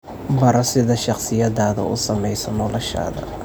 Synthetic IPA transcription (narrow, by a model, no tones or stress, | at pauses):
bɐɾɐsɪðɐʃɑqsɪjɐdaːðɐ̰ʊ̰sɐmɛjsɔnɔlɔʃa̰ːðɐ̰